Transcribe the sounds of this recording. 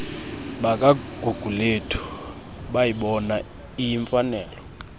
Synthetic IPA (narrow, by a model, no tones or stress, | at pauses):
ɓak̬ʼaɡ̥ʱuɡ̥ʱuletʰu̥ | ɓajiɓɔna | ijiɱfanɛːlɔ